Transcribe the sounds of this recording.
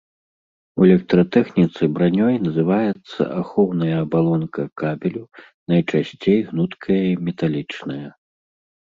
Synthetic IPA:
uɛlʲɛk̚t̪ɾɐt̪ɛxnʲit̪sɨbɾanʲɔjnɐzɨvajɛt̪sːɐ̰ʔaxɔwnɐjɐːbalˠɔnkɐkabʲɛlʲu | nɐjt͡ʂasʲt͡sʲejɣnut̪kʰɐjɐimʲɛt̪alʲit͡ʂnɐjɐ

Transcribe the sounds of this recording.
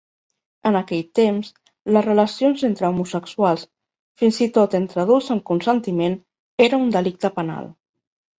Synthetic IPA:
ənəkɛʎt̪ems | ləzrələsionzent̪ɾəumusəkswalˠs | finzit̪ot̪ent̪ɾəðulzəmkunsənt̪imen | eɾəund̪əlik̚t̪əpəna̰lˠ

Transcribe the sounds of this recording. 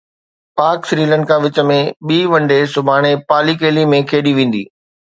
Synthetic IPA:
paːɾksɾiːlə̃ɳɖkãːʋɪt͡ɕə̆mẽɓiːʋɐ̃ɳɖesʊbʱaːɽ̃epaːlikeːlimẽkʰeːɗiʋẽːn̆d̪ḭː

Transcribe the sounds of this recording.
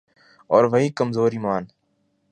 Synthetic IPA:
ɔːɾʋəɦiːkəmzoːɾiːmaːn

